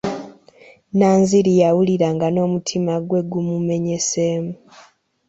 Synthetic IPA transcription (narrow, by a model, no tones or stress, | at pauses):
naːnziɾijawuliɾaŋɡano̞ːmutʰimaɡwe̞ɡumume̞ɲese̞ːmu